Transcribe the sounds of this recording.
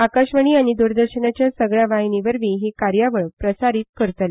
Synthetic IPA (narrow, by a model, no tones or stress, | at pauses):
akaɕʋəɳ̃iːaɽ̃id̪uɾd̪əɾɕənat͡ɕjasəɡɭjaʋaɦiniʋəɾʋiːɦikaɾjaʋəɭpɾəsaɾiːt̪̚kəɾət̪le